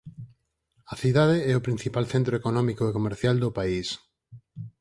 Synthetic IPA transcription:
ɐθiðaðeɛʊpɾin̟θipalθent̪ɾoekonɔmikoekomeɾθjald̪ʊpais

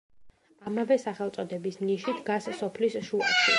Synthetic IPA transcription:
amavɛsaχɛlˠt̪sʼɔd̪ɛbismniʃid̪ɡasːɔpʰlisʃuaʃi

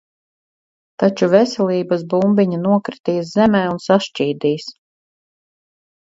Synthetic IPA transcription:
t̪at͡ʃuvɛsɛlʲˠiːbasbumbiɲanuɔkɾit̪iːszɛmɛːunsaʃt͡ʃiːd̪iːs

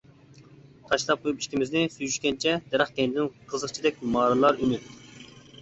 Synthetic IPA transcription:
t̪ʰɑʃlˠɑp̚qʰojupi̥ʃkʲimɪznɪsyjyʃkʲɛnt͡ʃʰɛd̪̥ɛɾɑχkʲɛnd̪ɪnqʰəzəχt͡ʃʰid̪ɛk̚ʲmɑːɾɨlˠɑɾynyt̪̚

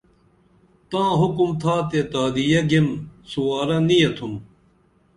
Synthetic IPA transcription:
t̪ãːɦʊkumt̪ʰaːt̪et̪aːd̪ijɐɡimsuwaːɾɐnijɐt̪ʰum

